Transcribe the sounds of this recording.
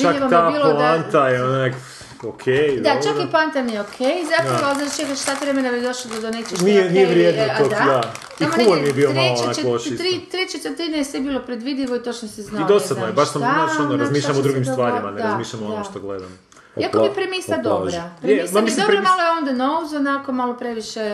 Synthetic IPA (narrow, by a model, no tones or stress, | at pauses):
t͡ʃakeat̪aipːillant̪aeonak | okʰej̪at͡ʃaiplant̪amijeokʰejizap̪aʋoalznaʃt͡ʃekaʃt̪at̪ʋɾemenabid̪oʃlod̪od̪onet͡ʃenijenijeʋɾjed̪nat̪od̪kd̪a | amoumoɾmijebiomaleloonaooʃiɾit̪ːɾet͡ʃet̪et̪ɾiːd̪nejesʋebiːlopɾed̪ʋid̪iʋoit̪o̞t͡ʃnoseznaid̪osad̪nojebaʃsaaaonoɾazmiːʃʎamod̪ɾuɡimst̪ʋaːɾimaneɾazmiːʃʎʲamoonnomʃtt̪oɡled̪amo | iakobipɾemisad̪obɾapɾemismamislidopɾamalˠojeond̪anowzonako̞malopɾeʋiʃe